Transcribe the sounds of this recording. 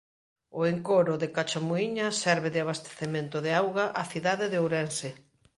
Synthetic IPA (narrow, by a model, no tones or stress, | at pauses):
ʊeŋkoɾʊðekat͡ʃamoiɲɐsɛɾβeðɪaβ̞ast̪e̥θemẽnt̪ʊðɪawɣaʔaθiðaðeðeowɾɛnse